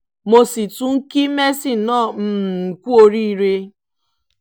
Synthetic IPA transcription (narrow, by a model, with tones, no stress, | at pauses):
mo˨si˨tu˨ŋ̩˦ki˦me˦si˦˨nɔ˦˨m̩˦˨kʷu˦o˨ɾi˦ɾe˦